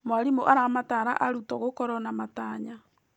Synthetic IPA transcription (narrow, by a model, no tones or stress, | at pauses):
mwaɾimoʔaɾamataɾa̰ʔaɾutɔɣokɔɾɔnamataɲa